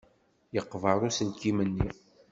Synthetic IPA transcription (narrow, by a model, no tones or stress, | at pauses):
jəqːvəɾˤusəlkimənːi